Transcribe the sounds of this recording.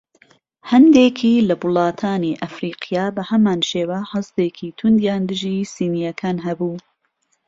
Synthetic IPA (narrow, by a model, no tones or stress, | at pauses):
hɐnd̪eːkʰiːlɐbʊlˠɑːt̪ʰaːniːʔɐfɾiːqijɑːbɐhɐmaːnʃeːwɐhɐst̪eːkʰiːt̪ʰʊnd̪jaːnd̪ɨʒiːsiːnijɐkʰaːnɦɐbuː